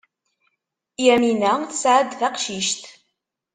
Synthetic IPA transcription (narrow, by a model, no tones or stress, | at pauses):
jæminæθsʕəd̪θaqʃiʃt̪